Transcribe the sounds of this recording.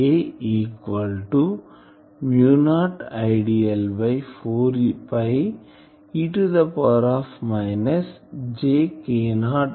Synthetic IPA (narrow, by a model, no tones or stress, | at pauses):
eiːkʋɐlʈu | mjuːnaːʈaɪɖiɐlbɐjfoːɾipaj | iʈud̪ɐpɔɾaːfmaɪnɐsd͡ʒeːkeːnaːɖ